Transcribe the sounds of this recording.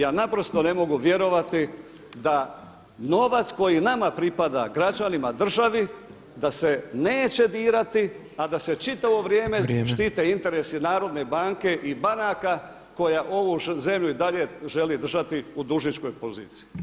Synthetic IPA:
jaːnapɾo̞st̪o̞ne̞mo̞ɡuʋje̞ɾo̞ʋat̪i | d̪a | no̞ʋat̪sko̞jinamapɾipad̪a̰ɡɾat͡ʃanimad̪r̩ʒaʋi | d̪ase̞neːt͡ɕe̞d̪iːɾat̪i | ad̪ase̞t͡ʃit̪aʋo̞ʋɾjeːme̞ʃt̪iːt̪e̞int̪e̞ɾe̞sinaːɾo̞d̪ne̞baːŋke̞ʔibanaːka | ko̞jaʔo̞ʋuze̞mʎuid̪aʎe̞ʒe̞lid̪r̩ʒat̪iud̪uʒnit͡ʃko̞jpozḭːt̪si̥i

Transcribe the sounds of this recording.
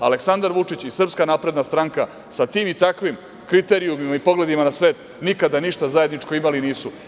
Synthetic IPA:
a̰leksand̪aɾʋut͡ʂit͡ɕisr̩pskanaːpɾe̞d̪nast̪ɾaŋka | sat̪iːmit̪akʋim | kɾit̪e̞ɾiumimaipo̞ɡle̞d̪imanasʋe̞ːt̪ | nikad̪aniʃt̪azajed̪nit͡ʂko̞imaliniːsu

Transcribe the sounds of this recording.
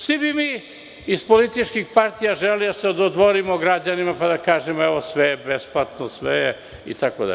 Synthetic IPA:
sibimiː | ispolit̪it͡ʃkixpaɾt̪ijaʒelid̪aseod̪od̪ʋoɾimoɡɾad͡ʑanimapad̪akaːʒemoeʋosʋejebesplat̪nosʋḛje | ḭt̪akod̪a̰

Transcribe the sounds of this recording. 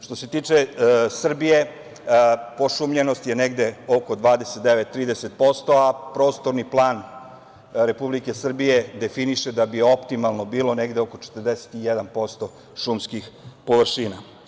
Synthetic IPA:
ʃt̪o̞se̞t̪iːt͡ʂesr̩bije̞ | po̞ʃumʎeno̞st̪je̞neɡd̪e̞oko̞d̪ʋaːd̪eset̪d̪eʋe̞t̪ːɾiːd̪eset̪̚po̞st̪o̞apɾo̞ːst̪o̞ɾniplˠaːn | ɾe̞publike̞sr̩bije̞d̪e̞finiʃed̪abio̞pt̪imalˠno̞biːlo̞ne̞ɡd̪eoko̞t͡ʃe̥t̪ərd̪ese̥t̪ijed̪anpo̞st̪o̞ | ʃumskixpo̞ʋr̩ʃina

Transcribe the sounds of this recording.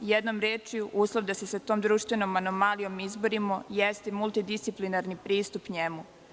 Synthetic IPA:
jɛd̪no̞mɾeːt͡ʃijuʔuːslˠoʋd̪asesat̪o̞ːmd̪ɾuʃt̪ʋeno̞mano̞malijo̞mizbo̞ɾimojɛst̪emulˠt̪id̪ist̪siplinaɾnipɾiːst̪upɲemu

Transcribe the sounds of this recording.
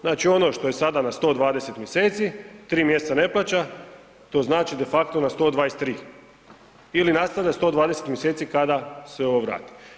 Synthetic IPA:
znaːt͡ʃio̞no̞ʃt̪o̞je̞sad̪anast̪o̞ːd̪ʋaːd̪ese̞t̪mʲjeseːt̪sit̪ɾiːmje̞st̪sane̞plˠaːt͡ɕa | t̪o̞ːznaːt͡ʃid̪e̞fakt̪onast̪o̞ːd̪ʋaːjest̪ːɾiː | ilinast̪aʋʎast̪o̞ːd̪ʋaːd̪e̞se̞t̪mjese̞ːt̪sikad̪aseo̞ʋoʋɾa̰ːt̪i̥

